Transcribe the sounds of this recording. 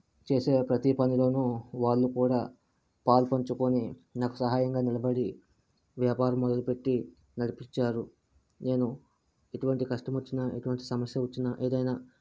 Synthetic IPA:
t͡ʃe̞ːse̞ːpɾɐt̪ipɐnilo̞ːnuʋaːɭːukuːɽaː | paːlpɐɲt͡ʃukoninaːku̥sɐɦaːjɐŋɡaːnilɐbɐɽi | ʋjaːpaːɾɐmːɔd̪ɐlupe̞ʈːi | nɐɽipiɲt͡ʃaːɾu | ne̞ːnu | eʈuʋɐɳʈikɐʂʈɐmɐt͡ʃːinɐeʈuʋɐɳʈi̥sɐmɐsjɐʋɐt͡ʃːinɐʔeːd̪ɐjnaː

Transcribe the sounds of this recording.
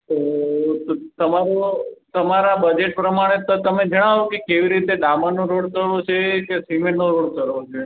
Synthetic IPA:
t̪o | t̪əmaɾot̪əmaɾabəd͡ʒeʈ̚pɾəmaɽ̃et̪t̪əmed͡ʒəɽ̃aʋokekeʋiɾit̪ed̪amanõɾoɽkəɾʋot͡ʃʰekesimenoɾoɽkəɾʋot͡ʃʰe

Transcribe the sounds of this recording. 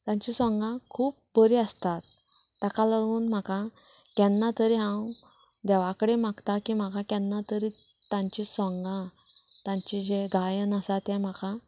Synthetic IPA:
t̪ãɲt͡ɕisɔ̃ŋɡãkʰuːp̚bəɾiəst̪at̪̚ː | akaləɾuːnm̤akã | kɛ̃nːat̪əɾiɦãw | d̪ɛʋakəɽem̤aɡt̪akim̤akakɛnːat̪əɾi | t̪ãɲt͡ɕisɔ̃ŋɡã | t̪ãɲt͡ɕid͡ʑeɡʱajənəsat̪ɛ̃m̤aka

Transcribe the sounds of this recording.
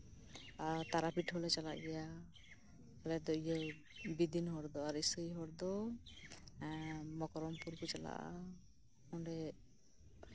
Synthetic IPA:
aɾt̪aɾapʰiʈɦɔlɛt͡ʃala̰ʔɡɛja | ɛlɛd̪ɔijɛ | bid̪inɦɔɾd̪ɔaɾisɔiɦɔɾd̪ɔ | mɔkɔɾɔmpuɾkɔt͡ʃala̰ʔa̰ | ɔɳɖɛ

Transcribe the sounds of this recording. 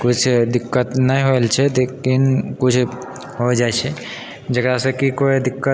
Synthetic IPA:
kʊt͡ʃʰd̪ɪkːət̪nəɦĩɦoelt͡ʃʰɛlekinkʊt͡ʃʰ | ɦod͡ʒaet͡ʃʰe | d͡ʒəɡɾasekikoid̪ɪkːə

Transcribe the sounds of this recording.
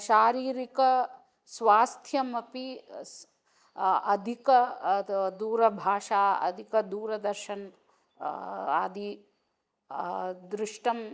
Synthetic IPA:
ʃaːɾiːɾikɐ | sʋaːst̪ʰjɐmɐpi | ɐd̪ʱikɐ | d̪uːɾɐbʱaːʃaːɐ̰d̪ʱikɐd̪uːɾɐd̪ɐɾʃɐn | a̰ːd̪ʱi | d̪ɾɪʂʈɐm

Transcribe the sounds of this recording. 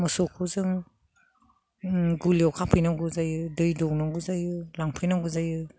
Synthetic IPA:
mɔsɔkʰuzɯŋ | ɡuliɔwkʰapʰɯjnaɡɯzajɯdɯjdɔwnaɡuzajɯlaŋpʰɯjnaɡuzajɯ

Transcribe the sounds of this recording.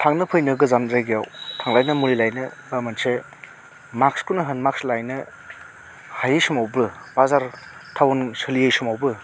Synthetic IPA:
tʰaŋnɯpʰɯjnɯɡɯzanɾajɡijawtʰaŋlajnɐmuɾilajnɯbamanse | mak̚skunɐɦɐnmak̚slajnɯ | hajɯjsɯmawbɯb̥azaɾtʰawnsɯlijejsumawbɯ

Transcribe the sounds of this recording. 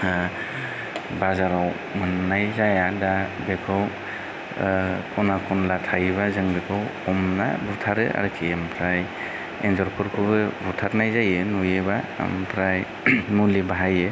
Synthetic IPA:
bazaɾaw | mɯnːajzajadabekʰɯw | kʰɔnakʰɔnlatʰajβazɯŋbekʰɯwɔmna̰butʰaɾɯʔa̰ɾɯkʰiempʰɾaj | enzɔɾkʰɔɾkʰɯbɯbutʰaɾnajzajɯnujeba̰mpʰɾaj | mulibaɦajɯ

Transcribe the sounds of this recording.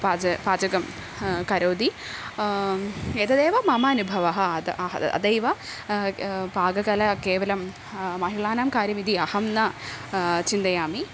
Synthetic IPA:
paːɐpaːd͡ʑɐɡɐm | kɐɾoːd̪i | eːt̪ɐd̪eːʋɐmɐmaːnubʱɐʋɐɦɐɐɐ̰d̪ɐjʋɐ | bʱaːɡɐɡɐlɐkeːʋɐlɐm | mɐɦiɭaːnaːmkaːɾjɐmid̪iɐhɐmnɐ | t͡ʃind̪ɐjaːmi

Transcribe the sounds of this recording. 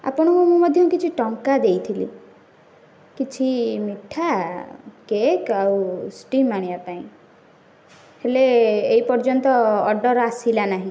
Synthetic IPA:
a̰pɔɽ̃ɔkumũmɔd̪ʱjɔkit͡ʃʰiʈɔŋkad̪ejt̪ʰilḭ | kit͡ʃʰimiʈʰa | kekawsʈimaɽ̃ijapaĩ | heleːipɔɾd͡ʒɔnt̪ɔːɖɔɾasilanaɦĩ

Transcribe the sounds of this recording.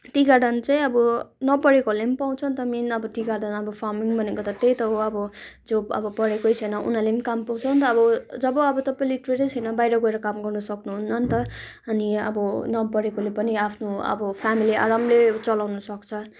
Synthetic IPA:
ʈiɡaɖʌnt͡saĩʌbʌnʌpʌɾekolempaw̃t͡sʰʌnt̪ʌminʌbʌtiɡard̪ʌnʌbʌpʰarmiŋbʱʌnekot̪ʌt̪ejt̪ʌʌbʌd͡zoʌ̰bʌpʌɽekojt͡sʰʌjnʌʔṵnalemikampaw̃t͡sʰʌnt̪ʌːbʌd͡zʌbʌʌbʌt̪ʌpajliʈreʈesʰʌjnʌbajɾʌɡʌeɾʌkamɡʌrnʌsʌknuɦunnʌnt̪ʌʌniʌ̰bʌnʌpʌɽekolepʌniapʰnoʌ̰bʌpʰamilia̰ɾamlet͡sʌlawnʌsʌkt͡sʰʌ

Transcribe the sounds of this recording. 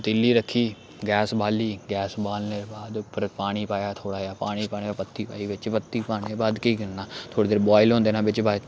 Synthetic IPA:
t̪ɪlːiːɾəkʰːiː | ɡɛːsbaːliːɡɛːsbaːlneːbaːd̪ʊpːəɾpaːɽ̃iːpaːjaːt̪ʰoːɽaːaːpaːɽ̃iːpaːneːpət̪ːiːpa̰ːiːʋɪt͡ʃpət̪ːiːpaːñeːbaːd̪kiːkɪɾnaːt̪ʰoːɽeːd̪eːɾbaːɪlɦõːnd̪eːnãːbɪt͡ʃbaː

